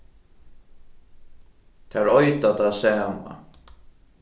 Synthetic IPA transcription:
t̪ʰaɹɔjt̪at̪asaːma̰

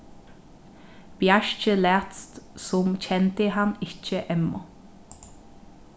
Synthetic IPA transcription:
b̥jæʃc͡çəlæːt̪st̪sɔmc͡çɛnt̪əhɑnɪçəʔɛmɔ

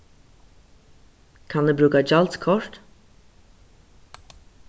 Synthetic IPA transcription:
kʰɑnd̪ʉːbɾʉːkad͡ʒɑlt̪kʰɔɹt̪

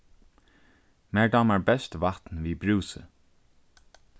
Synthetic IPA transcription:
mæːɹd̪aːmaɹbɛst̪vat̪nviːbɹuːsə̰

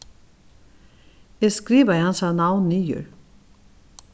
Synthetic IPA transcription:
ɛskɾiːʋajhansanawnːiːjʏ̰ɹ

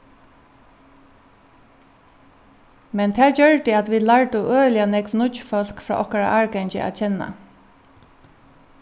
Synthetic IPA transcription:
mɛnt̪ʰæːɹd͡ʒœɹt̪ɪat̪ʋiːlaɹt̪ʊʔøːlɪanɛkʋnʊfɔl̥kfɹa̰ʔɔhkaɹa̰ʔaːɹɡɛnt͡ʃɪ̰ʔa̰t͡ʃʰɛnːa̰

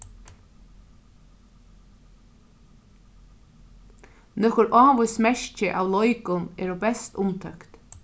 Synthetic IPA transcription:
nɔhkʊɾʔaːʋʊjsmɛɹt͡ʃɪʔawlɔjkʊnɛ̰ːɾɔbɛst̪ʊmt̪ʰœkt̪

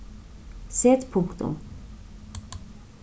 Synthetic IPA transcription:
seːt̪pʰʊŋkt̪ʊ̰m

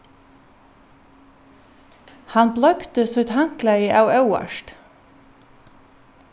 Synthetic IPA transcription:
hɑnblɑɡt̪əsœt̪hɑŋklæiːʔɑːɑʉæ̰ʃt

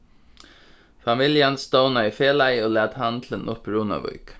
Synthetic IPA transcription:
fɑmɪljənst̪oʊnaɪfeːlæɪoːlæːd̪hɑnt̪lənʔʊpɾuːnɑ̰ʋʉ̰ʏk

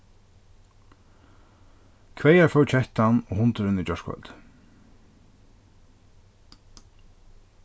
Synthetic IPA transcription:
kʰvɛjaɾfœwt͡ʃʰɛht̪anɔɣhʊnt̪ɪɾɪnɪt͡ɕɔʂkvœ̰lt̪

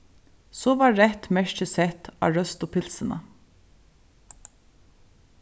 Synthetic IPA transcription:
soːʋɑːɾɛt̪mæʃʈəsɛt̪ʰɑ̰ːɹœst̪oːpʰɪlsənə̰

